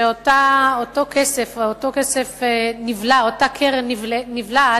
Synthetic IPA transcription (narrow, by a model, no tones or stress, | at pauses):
eotaotokʰesefotokesefenivlaotakʰeʁnivlenivla